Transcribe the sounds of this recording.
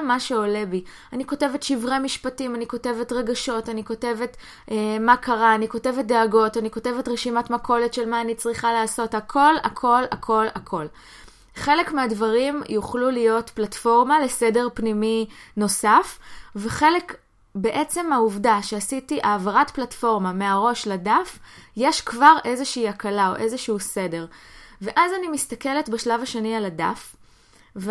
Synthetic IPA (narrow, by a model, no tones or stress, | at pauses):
maʃe̞o̞le̞bi | aniko̞tevetʃivʁemiʃpatimaniko̞tevetʁeɡaʃo̞taniko̞te̞vet | ʔemakʰaʁaːniko̞te̞vet̚deaɡo̞taniko̞tevetʁeʃimatmɐkʰo̞le̞tʃelmaːnit͡sʁiχalaːso̞thakʰo̞la̰kʰo̞lakʰo̞lakʰo̞l | χe̞lekmeadvaʁimjuχlulijotplatfo̞ʁmale̞sedeʁpnimino̞safve̞χe̞lek | beʔe̞t͡se̞mauvdaʃehasitiʔaːvaʁatplatfo̞ʁmame̞aʁo̞ʃladafje̞ʃkvaʁʔe̞zeʃiːakalao̞̰ʔe̞zeʃuuse̞deʁveʔazanimistake̞letbaʃlavaʃenialada̰f | v